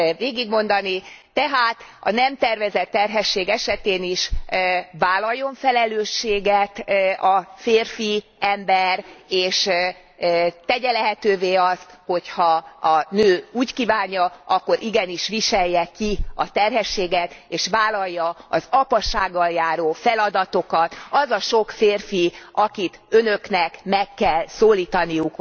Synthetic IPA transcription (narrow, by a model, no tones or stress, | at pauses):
veːɡiɡmo̞n̪d̪ɒnit̪ɛɦaːt̪ɒ̰nɛmt̪ɛrvɛzɛt̪ːɛrɦɛʃːeːɡɛʃɛt̪eːniʃ | vaːlːɒjːo̞ɱfɛlɛløːʃːeːɡɛt̪ɒfeːrfiɛmbɛreːʃ | t̪ɛɟɛlɛɦɛt̪øːveːɒst̪ho̞chɒɒnøːuːckiːvaːɲːɒɒkːo̞ɾʔiɡɛniʃʋiʃɛjːɛkiɒt̪ɛrɦɛʃːeːɡɛt̪eːʃvaːlɒjːɒɒzɒpɒʃaːɡːɒljaːɾoːfɛlɒd̪ɒt̪o̞kɒt̪ɒzɒʃo̞kfeːrfiʔɒkit̪ønøknɛkmɛkːɛlsoːliːt̪ɒnijuk